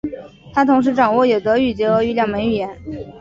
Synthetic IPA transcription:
t̪ʰa˥t̪ʰʊ˧˥ŋʂ̬ɻ̩˧˥ʈ͡ʂɑ˨˩ŋwɔ˥˩jo˨˩ʊd̪ə˧˥y˥˩t͡ɕjɛ˧˥ɤ˧˥y˥ljɑ˥˩ŋmə˧˥ɪy˨˩jɛ˧˥n

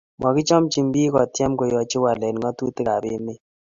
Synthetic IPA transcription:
mɔ˨kɪ˦t͡ʃɔ˦mt͡ʃi˨mbi˦kɔ˨tjɛ˦mko˨jɔ˨t͡ʃɪ˦wa˨lɛ˨n˨ŋɔ˦tu˦tɪ˦ka˨bɪ˦mɪ˦

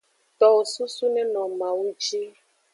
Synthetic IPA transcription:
t̪ɔ˨wo˨su˦su˦nɛ̃˦nɔ̃˨mã˨wu˦t͡ʃi˦

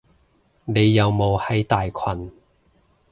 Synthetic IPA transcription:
ne˨˧jːɐ˨˧wmo˨˧whɐ˨˥jt̪aː˨jkʰɐ˨n

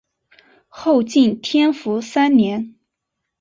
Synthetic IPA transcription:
xo˥˧ʊt͡ɕi˥˩nt̪ʰjɛ˥nfu˧˥sa˥nnjɛ˧˥n

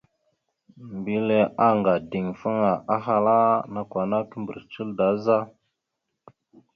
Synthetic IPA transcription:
mbi˦le˦ʔa˦ŋɡa˨di˨ŋfə˦ŋa˨ʔa˦xa˦la˦na˨kʷa˨na˦kə˦mbə̰˨ɾt͡ʃə˦lda˨˦za˦

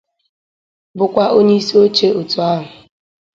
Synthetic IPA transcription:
bʊ˨kʷa˦ʔo˦ɲe˦i˦si˦o˦t͡ʃe˦ʊ˨tu˨a˦ɦʊ˨

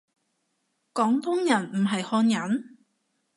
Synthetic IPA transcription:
kɔː˨˥ŋt̪ʊ˥ŋjɐ˨˩nm̩˨˩ɦɐ˨jhɔː˧njɐ˨˥n

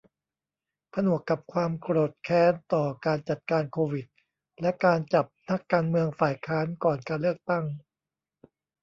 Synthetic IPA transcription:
pʰa˧nu˨˩əkːa˨˩p̚kʰwaː˧mkɾoː˨˩t̪̚kʰɛː˦˥nt̪ɔː˨˩kaː˧nt͡ɕa˨˩t̪̚kaː˧nkʰoː˧wi˨˩t̪̚ | lɛ˦˥kaː˧nt͡ɕa˨˩p̚na˦˥kːaː˧nmɯ˧əŋfaː˨˩jkʰaː˦˥nkɔː˨˩nkaː˧nlɯ˥˩ək̚t̪a˥˩ŋ

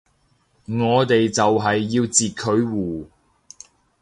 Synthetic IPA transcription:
ŋɔː˨˧t̪e˨jt͡sɐ˨wɦɐ˨jːiː˧wt͡siː˨t̚kʰɵ˨˧˥ɥwuː˨

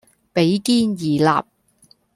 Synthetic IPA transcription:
pe˨˥jkiː˥njiː˨˩la̰ː˨p̚

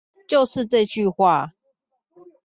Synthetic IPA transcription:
t͡ɕjo˥˨ʊʂɻ̩˥˧ʈ͡ʂɤ˥˧t͡ɕy˥˨xwa˥˨

